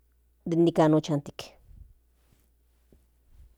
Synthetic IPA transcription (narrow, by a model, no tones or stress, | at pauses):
d̪inːikanot͡ʃant̪i̥k